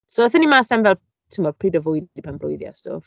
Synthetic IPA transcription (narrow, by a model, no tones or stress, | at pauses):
soəθənimaːsɛnvɛlˠ | tʰɪmɔpʰridəvʊjipʰanblʊ̰jðja̰sto̰ːv